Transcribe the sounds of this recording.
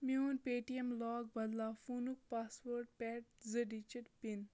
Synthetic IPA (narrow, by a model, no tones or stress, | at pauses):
miuːnpeːʈiemlɔːɡ̚bɐd̪laːfunuk̚paːsʋəɾʈpɛːʈ̚zəɖit͡ʃiʈpin